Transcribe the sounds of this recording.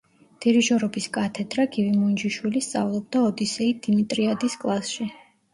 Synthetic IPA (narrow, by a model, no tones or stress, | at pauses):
d̪̥iɾiʒɔɾɔbiskʼat̪ʰɛd̪ɾaɡivimund͡ʒiʃwilist̪sʼa̰vlˠɔb̚d̪aɔd̪isɛid̪̥imit̪ʼɾiad̪iskʼlˠasʃi